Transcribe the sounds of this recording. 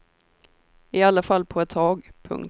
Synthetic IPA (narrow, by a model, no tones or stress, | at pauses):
ɪalːafalːpʰɔɛt̪ʰːɑːɡpʰɵ̰ŋ